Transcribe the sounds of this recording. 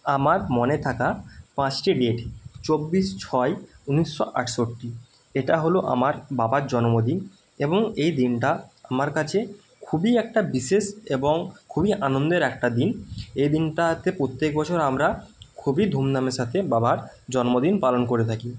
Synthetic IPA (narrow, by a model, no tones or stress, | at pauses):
amaɾmonet̪ʰakapãt͡ɕʈiɖeʈt͡ɕobːiʃt͡ɕʰɔeuniʃːoʔa̰ʈʰʃoʈʈːi | eʈaɦoloʔa̰maɾbabaɾd͡ʑɔnomod̪in | eboŋejd̪inʈaamaɾkat͡ɕʰe | kʰubiɛkʈabiʃeʃeboŋkʰubiʔanond̪eɾɛk̚ʈad̪inejd̪inʈat̪ʰepɾot̪ːek̚bɔt͡ɕʰoɾamɾakʰubid̪ʱumnameʃat̪ʰebabaɾd͡ʑɔnmod̪inpalonkoɾet̪ʰaki